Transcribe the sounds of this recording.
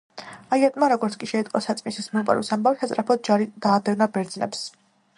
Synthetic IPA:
aiɛt̪ʼmaɾɔɡɔɾt̪sʰkʼiʃɛit̪ʼqʼɔsat̪sʼmisismɛpʼɛ̰ɾisambavisat̪sʼɾapʰɔd̪̚d͡ʒaɾid̪̥aːd̪ɛnabɛɾd̪znɛ̰ps

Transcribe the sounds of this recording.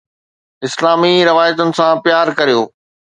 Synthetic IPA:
ɪslaːmiɾɪʋaːjət̪ənɪ̆sãpɪjaːɾkɐɾijoː

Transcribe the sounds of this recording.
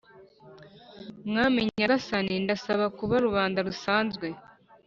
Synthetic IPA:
mŋaːmiɲaɡasanindasaβakuβaɾuβaːndaɾusaːnzɡwe̞

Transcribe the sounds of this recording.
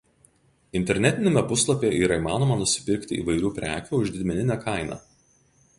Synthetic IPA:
ɪnʲt̪ʲɛɾʲnʲɛt̪ʲɪnʲemʲɛpʊslˠɐpʲeːʔiːɾɐiːmɑːnoɔmɐnʊsʲɪ̥pʲɪɾʲkʲt̪ʲɪḭːʋɐɪɾʲuːpʲɾʲæ̰ːkʲuːʊʒʲd̪ʲɪd̪ʲmʲɛnʲɪnʲækʰɐɪnɑ̰ː

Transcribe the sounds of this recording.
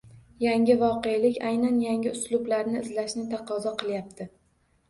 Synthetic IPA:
jaŋʲɪvɒqejlɪkʲajnanjaŋʲɪʊslʊblaɾnɪɪzlaʃnɪt̪ʰɑqʰɒzɒqʰɨlˠjap̚t̪ʰɪ

